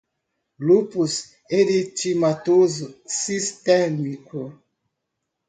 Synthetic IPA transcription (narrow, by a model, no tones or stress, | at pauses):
lupus | eɾit͡ʃimatozosistɛmiko